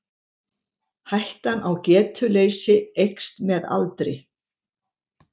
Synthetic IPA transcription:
hajht̪anawcɛːt̪ʰʏlejsɪejkst̪mɛða̰lt̪ɾɪ

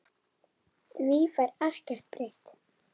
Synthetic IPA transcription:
θvifajɾar̥cɛr̥t̪̚pɾeht̪

